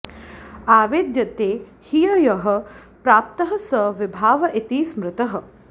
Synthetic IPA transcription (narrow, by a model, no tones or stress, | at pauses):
aːʋed̪jɐt̪eː | hijɐjɐɦɐ̆pɾaːp̚t̪ɐɦɐsɐʋɪbʱaːʋɐʔit̪iːsmɾɪt̪ɐɦɐ̆